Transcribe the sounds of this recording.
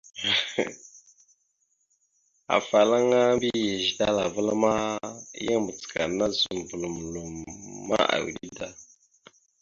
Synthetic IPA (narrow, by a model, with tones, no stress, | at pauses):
a̰˨fa˨la˦ŋa˦bi˦je˨ʒi˨da˦la˨və˦la˦ma˦je˦ŋmə˨t͡si̥˨ka˨nːa˦zu˨m˨bu˨lu˨m˨lo˨mːa̰˦a̰˨wḭ˨ɗi˦da˨